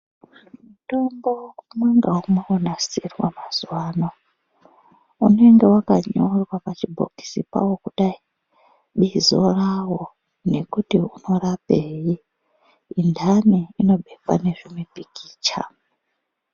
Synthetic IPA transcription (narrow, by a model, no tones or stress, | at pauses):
muto̞mbo̞kmweŋɡaumweonasirwamaz̥uwaːno | unoeŋɡe̞wakaɲorwapat͡ʃibʱo̰ki̥sipa̰wokuɗai | ɓizo̞̰rawo̞ | ne̞kutiunorapeji | indʱaniino̞ɓekwa̰ne̞ʐimipikʰi̥ːt͡ʃa̰